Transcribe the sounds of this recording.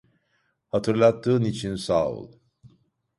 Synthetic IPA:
hat̪ʰɯɾlˠat̪ʰːɯːnit͡ʃʰinsaːṵlˠ

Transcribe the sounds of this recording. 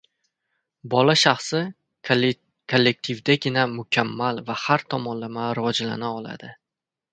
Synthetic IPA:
bɒlaʃaχsɪ | kʰolːe̞k̚t̪ʰivd̪aɡʲɪnamʊkʲʰamːalvahaɾt̪ʰɒmɒnlamaɾɪvɒd͡ʒla̰naɒlˠa̰d̪ɪ

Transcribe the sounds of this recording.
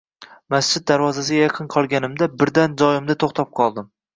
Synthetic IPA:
mast͡ʃʰɪd̪̚d̪aɾvɒzasɪɡʲajɑqʰɨnqʰɒlˠɡʲanɪmd̪abɪɾd̪and͡ʒɒjɪmd̪at̪ʰoχt̪ʰɒp̚qʰɒlˠd̪ɪm

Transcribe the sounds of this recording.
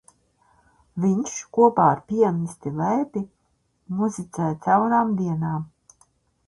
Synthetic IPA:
vʲiɲʃkuɔpaːɾpʲiɛnʲist̪ilɛjpi | muzit̪sɛjt̪sawɾaːmd̪iɛnaːm

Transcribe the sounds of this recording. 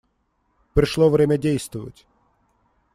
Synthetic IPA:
pɾɪʃlˠɔʋɾɛmʲɐdʲijst̪ʋʊʋʊ̰tʲ

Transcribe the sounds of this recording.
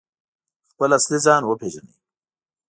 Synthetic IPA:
xpəlaslizaːnwopʰeːʒɐnḭ

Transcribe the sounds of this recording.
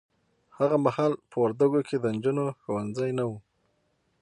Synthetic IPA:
haɣamahɑlpəwaɾd̪aɡokʰed̪ənd͡ʒunoxowanzajnawu

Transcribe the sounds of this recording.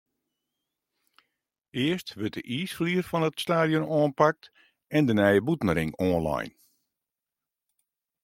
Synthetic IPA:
ɪəstʋət̚əʔiːsfliːərfɔnətstaːdjonoənpak̚t | ɛndənɛjəbutnəɾɪŋɔːnla̰jn

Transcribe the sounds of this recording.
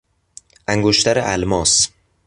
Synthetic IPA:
æŋɡoʃt̪aɾɪʔalmɒs

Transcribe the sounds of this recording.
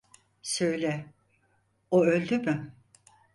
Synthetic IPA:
sø̞jlʲɛ | oølʲd̪emɪ

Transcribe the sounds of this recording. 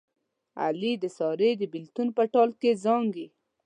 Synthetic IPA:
a̰lid̪əsɑɾed̪əbɪlt̪unpəʈɑlkezɑŋɡi

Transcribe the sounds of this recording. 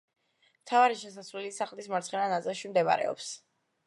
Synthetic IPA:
mt̪ʰavaɾiʃɛs̬asvlɛlisaχlismaɾt̪sχɛnanat̪ʼɛlˠʃimd̪ɛma̰ɾɛ̰ɔ̰ps

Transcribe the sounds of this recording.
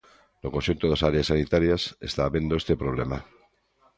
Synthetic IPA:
lokonʃunt̪oðasaɾeasːanit̪aɾjasest̪aːβje̞nd̪oest̪epɾoβ̞lema

